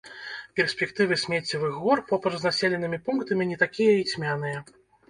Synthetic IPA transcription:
pʲɛrsʲpʲɛkt̪ɨvɨsʲmʲɛt͡sʲːivɨxɣɔrpɔpɾɐznasʲɛlʲɛnɨmʲipuŋkt̪ɐmʲinʲɛt̪akʲijɐit͡sʲmʲanɨjɐ

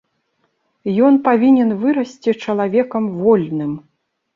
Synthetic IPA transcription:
jɔnpavʲinʲɛnvɨɾɐsʲt͡sʲit͡ʂɐlˠavʲɛkɐmvɔlʲnɨm

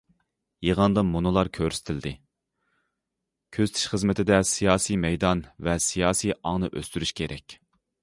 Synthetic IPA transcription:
jeʁɑnd̪ɑmunɨlˠɑɾkʲʰøɾsɪ̥t̪ʰɪld̪ɪ | kʲʰøzt̪ʰi̥ʃχəzmɪt̪ʰɪd̪ɛsijɑːsimɛjd̪ɑnvɛsijɑːsijɑŋnɨʔø̰st̪yɾyʃkʲʰeɾʔɛkʲ

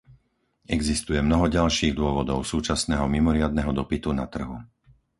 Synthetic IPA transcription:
ɛɡzist̪ujɛmnɔɦɔɟalʃiːɣd̪ʊɔʋɔd̪ɔʊsuːt͡ʃasnɛːɦɔmimɔɾɪad̪nɛɦɔd̪ɔpit̪unat̪r̩ɦu

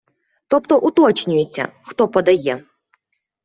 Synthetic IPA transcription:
t̪ɔpt̪ɔʔut̪ɔt͡ʃnʲʊjet͡sʲːɐ̰xt̪ɔpɔd̪ɐjɛ

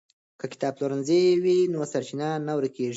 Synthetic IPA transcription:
kakɪ̥t̪ɑb̚loɾanzewinosaɾt͡ʃɪnanawaɾkeʐi

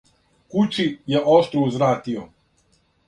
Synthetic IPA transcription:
kut͡ʃijeʔoʃt̪ɾuuzɾaːt̪io

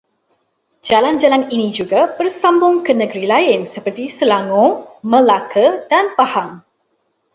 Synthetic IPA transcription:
d͡ʒaland͡ʒalaninid͡ʒuɡabərsambʊŋkənəɡəɾilaɪnsəpərt̪isəlaŋomə̃lakədanpahaŋ

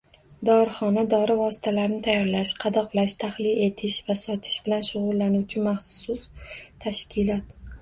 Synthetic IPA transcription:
d̪ɒɾχɒnad̪ɒɾɪvɒsɪ̥t̪ʰalaɾnɪt̪ʰajɒɾlaʃqʰɑd̪ɒqlaʃt̪ʰahlɪle̞t̪ʰɪʃvasɒt̪ʰɪ̥ʃb̥ɪlanʃʊʁʊlːanuwt͡ʃʰɪmaχsʊst̪ʰaʃkʲʰɪlɒt̪

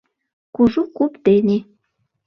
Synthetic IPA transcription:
kuʒukupt̪enʲe

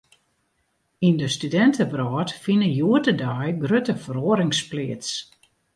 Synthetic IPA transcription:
indəstydɛntʰəbrɔːtfinəjuətədajɡrøtəfəɾoəɾɪŋsplɪəts

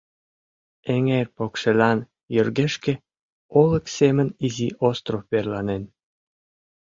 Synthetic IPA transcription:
eŋerpokʃelɑn | jørɣeʃkĕ | oləkseməniziʔost̪rofperlɑnen

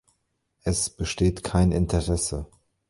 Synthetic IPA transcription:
ʔɛsb̥əʃteːtkʰaɪnɪntʰəʁɛsə

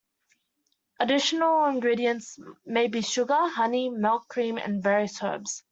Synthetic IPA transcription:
ʔədɪʃənəlˠɪ̃nɡɹiːɾiə̃ntsmeɪbiʃʊɡəhʌnimɪlˠkʰːɹ̥ĩːmə̰̃nvɛːɹiəshɜ̰ːbz̥

